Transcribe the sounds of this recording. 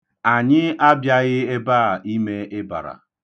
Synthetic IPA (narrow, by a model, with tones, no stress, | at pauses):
a˨ɲɪ˦a˦bja˦ɣɪ˦e˦baː˦˨i˦me˦ɪ˦ba̰˨ɾa̰˨